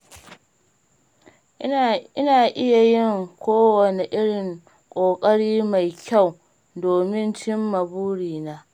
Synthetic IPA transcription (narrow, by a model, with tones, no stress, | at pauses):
ɪ˦naː˨ʔɪ˦ja˨jɪ˦˨ŋkʷoː˦wɐ˨ne˨ʔɪ˦ɽɪ˨ŋ | kʷʼoː˨kʼɐ˦ɽiː˦ma˨jkʲa˦˨w | doː˨mɪ˦nt͡ʃɪ˦mːɐ˨buː˦ɽiː˨naː˦